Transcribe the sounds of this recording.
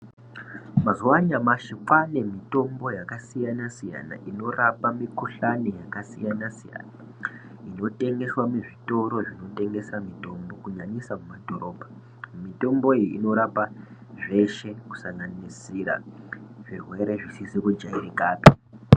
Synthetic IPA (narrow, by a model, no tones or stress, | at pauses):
mazuwaɲamaʃifwane̞mito̞mbo̞jakasijanasija̰na̰ʔino̞rapamikuɬanijakasijanasija̰na | ino̞te̞ŋɡe̞swameʐito̞ɾo̞ʐino̞te̞ŋɡe̞samito̞mbo̞kuɲaɲisamumadoɾo̞pa | mito̞mbo̞iḭno̞ɾapaʐe̞ʃe̞ku̥saŋɡanisiɾa̰ʐ̥irwe̞ɾe̞ʐisisikud͡ʒaiɾekaːpi